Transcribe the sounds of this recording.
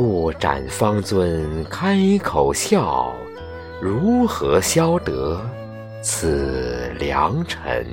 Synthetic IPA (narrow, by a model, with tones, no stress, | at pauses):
u˥˩ʈ͡ʂa̰˨˩nfɑ˥ŋt͡swə˥nkʰa˥ɪkʰo˨˩ʊɕjɑ˥˩ʊ | ɻu˧˥xɤ˧˥ɕjɑ˥ʊt̪ɤ˧˥ | t͡s̩ʰ˨˩ljɑ̰˧˥ŋʈ͡ʂʰə̰˧˥n